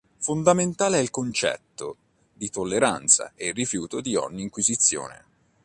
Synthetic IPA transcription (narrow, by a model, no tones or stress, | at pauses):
fond̪ament̪aːleɛilkont͡ʃɛ̰t̪ːo | d̪it̪olːeɾant̪sa̰erːifjuːt̪od̪iɔ̰ɲːiːŋkwizit̪sːjo̰ːnḛ